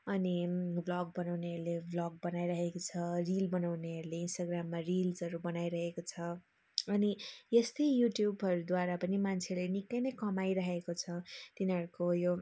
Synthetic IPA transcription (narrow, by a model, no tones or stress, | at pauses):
ʌniblʌɡ̚bʌnawneɦʌɾuleblʌɡ̚bʌnajɾʌɦekot͡sʰʌrilbʌnawneɦʌɾuleinsʈaɡramːarilzʌɾubʌnajɾʌɦekot͡sʰʌ | ʌniest̪ʌjjuʈjubʱʌɾud̪waɾapʌnimant͡sʰeʌɾlenikːʌjnʌjkʌmajɾʌɦekot͡sʰʌt̪inɦʌɾukojo